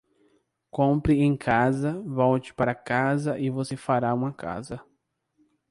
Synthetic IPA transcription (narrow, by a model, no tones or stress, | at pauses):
kõmpɾɪẽj̃kʰazɐvɔwt͡ʃɪ̥paɾɐkazɐʔɪvosefaɾaũmɐkʰa̰zɐ